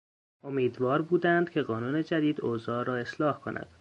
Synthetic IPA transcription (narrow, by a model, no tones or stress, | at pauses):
o̞miːd̪vɒːɾbuːd̪ænd̪̥cʰe̞ɣɒːnuːne̞d͡ʒæd̪iːd̪oːzɒːɾɒːe̞slɒːhkʰo̞nʔæ̰d̪̥